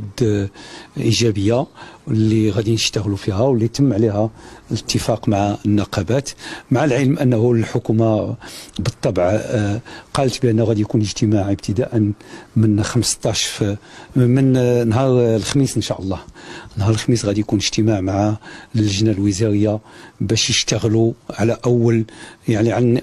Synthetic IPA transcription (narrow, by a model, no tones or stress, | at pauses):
d̪ | ʔiʒæbəjːalːiɣæd̪inəʃt̪əɣlufihæwəlːit̪əmːʕlihælət̪ʰːəfɑqmaʕaənːɑqɑbæt̪maʕalʕələmʔənːhulħʊkumabət̪ˤːɑbʕ | qɑlt̪bəʔənːæɣæd̪ijkunəʒt̪əmaʕəb̚t̪ʰəd̪aʔənmənxəmst̪ˤɑʃf | mənnːɦɑɾˤlxmisənʃaʔəlˤːɑhnɦɑɾəlxmisɣæd̪jkunəʒt̪əmaʕmaʕaləʒnælwəzɑɾəjːabæʃjəʃt̪əɣluʕalæʔæwːəljaʕniʕan